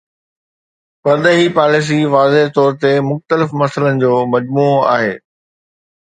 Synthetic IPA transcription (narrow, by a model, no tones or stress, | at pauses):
pɐɾɗ̪əɦipaːlɪs̬iʋaːzeɦt̪ɔːɾt̪emʊxt̪əlɪfmɐsələnɪ̆d͡ʑoːmɐd͡ʑmuːoa̰ːɦḛː